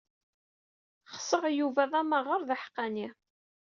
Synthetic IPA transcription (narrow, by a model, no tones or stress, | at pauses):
χə̥səʁjuvæðˤɑməʁəɾðaħqːɑni